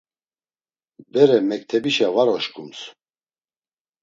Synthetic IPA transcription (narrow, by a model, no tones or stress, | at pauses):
bɛɾɛmɛk̚t̪ʰɛbiʃavaɾɔʃkʰʼums